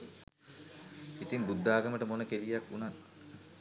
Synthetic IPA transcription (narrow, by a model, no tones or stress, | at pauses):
it̪iŋbud̪ːaːɡəməʈəmonəkelijakːunat̪